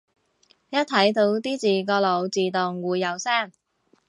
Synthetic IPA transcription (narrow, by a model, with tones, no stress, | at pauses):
jɐ˥t̚t̪ʰɐ˨˥jt̪o˧wt̪iː˥t͡siː˨˩kɔː˧lo˨˧wt͡siː˨˩t̪ʊ˨ŋwuː˨˧jːɐ˨˧wsaː˥˩ŋ